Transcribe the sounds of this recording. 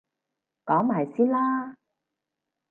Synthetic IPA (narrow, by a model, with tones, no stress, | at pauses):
kɔː˨˥ŋmaː˨˩jsiː˥nlaː˥